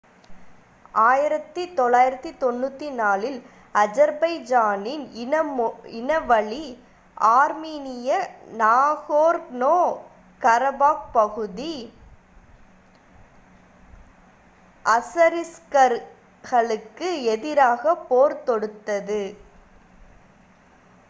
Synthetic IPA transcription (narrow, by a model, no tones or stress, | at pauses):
ʔaːjɪɾɐt̪ːit̪ɔɭːaːjɪɾɐt̪ːit̪ɔnːut̪ːinaːlɪl | ɐd͡ʒɐɾbɐɪd͡ʒaːnɪnɐɪnɐʋɐɭi | aːɾmiːnɪjɐnaːɣoːɾnoː | kɐɾɐbaːk̚pɐɣɯði | ʔɐsɐɾɪskɐɾ | ɣɐɭɯkːɯɛðɪɾaːɣɐpːoːɾt̪ɔɽɯt̪ːɐðɯ